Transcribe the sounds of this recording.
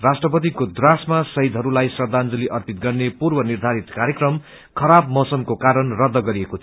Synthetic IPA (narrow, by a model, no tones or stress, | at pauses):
rasʈrʌpʌt̪̬ikod̪rasmasʌɦid̪ʱɦʌɾulajsʌd̪and͡zʌliʔʌrpit̪̚ɡʌrnepurbʌnird̪ʱaɾit̪kaɾjekrʌm | kʰʌɾabmʌsʌmkokaɾʌnrʌd̪ːʌɡʌɾiekot̪ʰ